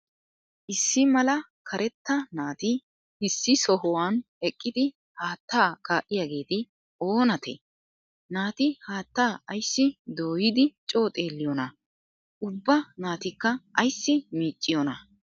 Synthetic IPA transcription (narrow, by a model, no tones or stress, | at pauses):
ʔɪsːɪmɐlɐ | kʰɐɾʔɛt̪ːɐnaːt̪ɪ | ɪsːɪsɔɦɔwan | ɛkʼːɪd̪ɪ | haːt̪ːaːkaːʔːɪjaːɡe̞ːt̪ɪ | o̞ːnɐt̪ɛ̰ | naːt̪ɪhaːt̪ːaːɐjsːɪd̪oːjɪd̪ɪt͡ʃʼo̞ːt̪ʼe̞ːlːɪjɔnɐ | ʔʊbːɐnaːt̪ɪkːɐɐjsːɪmiːt͡ʃʼːɪjɔnɐ